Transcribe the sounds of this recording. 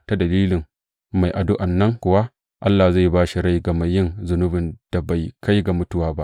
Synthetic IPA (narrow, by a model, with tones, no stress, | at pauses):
ta˦dɐ˨liː˦lɪ˨ŋ | ma˨jʔa˨dʊ˦ʔa˨nːɐ˦ŋkʷʊ˨wa˦ʔ | ʔa˦lːaː˨za˦˨jbaː˦ʃi˨ɾa˦jɡɐ˨mɐ˦jːɪ˦nzʊ˨nʊ˦bɪ˨nd̥a˨ba˨jkʰa˦jɡa˨mʊ˦tʊ˦waː˦ba˦ʔ